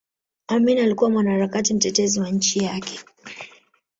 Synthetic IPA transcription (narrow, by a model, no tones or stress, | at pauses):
aminialikuwamwanahaɾakatim̩tɛtɛziwaɲ̩t͡ʃijakʰɛ̥